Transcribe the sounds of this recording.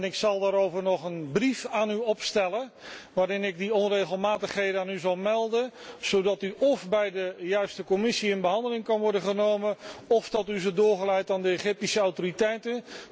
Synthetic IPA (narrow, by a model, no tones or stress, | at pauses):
nɪksɑlˠdaːɾowvəɹnɔχənbrifaːnyɔpstɛlə | ʋaːɾɪnɪɡ̚diɔnrejɣəlˠmaːtəχɦejdənaːnyzɑlˠmɛlˠdənz̥owdɑtyʔɔfbɛjdəjœɥstəkɔmɪsiənbəɦɑndəlɪŋkɑnʋɔɹdəχənowməɔfdɑtyzədʊːɹχəlɛjtaːndəejχɪp̚tisəawtoritɛjtən